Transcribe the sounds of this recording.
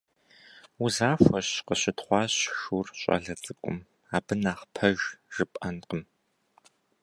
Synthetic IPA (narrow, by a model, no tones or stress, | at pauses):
uzaːfʷɐɕqəɕɪtχʷɑːɕxurɕʷʼɐ̰ɮɐt͡sʼɨkʷʼʊ̰m | aːbɨnaːχpʰɐʒʒ̥ɨpʼɐnqəm